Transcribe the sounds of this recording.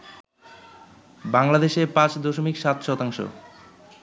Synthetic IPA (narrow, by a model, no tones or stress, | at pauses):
baŋlad̪eʃeɾpãt͡ɕd̪oʃomikʃat̪ʃɔt̪aŋʃo̰